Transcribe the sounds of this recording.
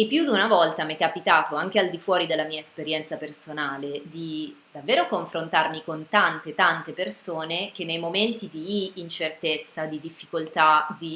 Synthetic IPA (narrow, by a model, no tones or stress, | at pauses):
epːjud̪unavɔlt̪amikapit̪aːt̪oaŋk̟eald̪ifwɔːɾid̪elːamiːaespeɾjɛnt̪sapersonaːled̪id̪avːeːɾokoɱfɾont̪armikont̪ant̪et̪ant̪epersoːnek̟enːejmoment̪id̪iːnt͡ʃert̪et̪sːad̪id̪ifːikolt̪ad̪i